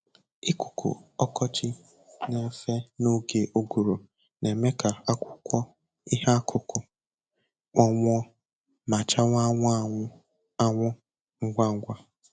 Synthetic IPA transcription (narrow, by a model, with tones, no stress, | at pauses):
ɪ˦kʊ˨kʰʊ̰˨ɔ˦kɔ˦t͡ʃɪ˦ | ne˦fe˦no˦ɡe˨ʔo˦ɡu˨ɾo˨ | ne˨me˦ka˨a˦kʷʊ˦kʷɔ˦ | i˦ɦa˦kʰʊ˨kʊ˨ | k͡pɔ˦ŋʷ˦ɔ˦ | ma˨t͡ʃa˦ŋʷ˦a˦ŋʷ˦ | a˦ŋʷʊ˦ | ŋ̩˦ɡʷa˦ŋ̩˦ɡʷa˦